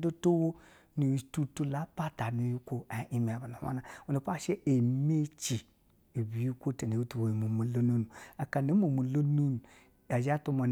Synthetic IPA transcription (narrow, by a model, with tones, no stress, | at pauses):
do˦to˦wo˦ | nu˨i˨tu˦tu˦la˨˦pa˦ta˨nu˨˦ju˦kʷo˦a˨i˦me˨a˨ba˨nu˨˦a̰˦na˨o˨ne˨pa˦˨ʃe˦e˨me˦t͡ʃi˨ | e˨bi˨ju˦kʷo˦te˨ne˨wu˦tu˨wo˨mo˨mo˨lo˦no˦nu˨a˨ka˨ne˨˦mo˨mo˨lo˦nu˦n˨ | a˨d͡ʒa˦tu˦ma˨n